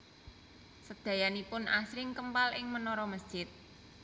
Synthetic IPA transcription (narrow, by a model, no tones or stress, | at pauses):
səd̪̥ä̤janipʊnʔasɾɪŋkəmpalʔɪŋmənɔɾɔməsd̥ʒ̥ɪt̪̚